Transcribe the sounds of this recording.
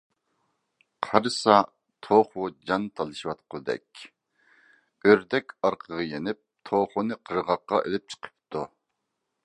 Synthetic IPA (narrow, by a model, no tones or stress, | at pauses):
qʰɑɾɨsɑ | t̪ʰoχʊd͡ʒɑnt̪ʰɑlˠɨʃiwɑt̪̚qʊd̪ɛ̰kʲ | øɾd̪ɛkʲɑɾqʰəʁəjenɪp̚t̪ʰoχunɨqʰəɾʁɑqːɑ̰ʔelɪp̚t͡ʃʰə̥qʰə̥p̚t̪ʰu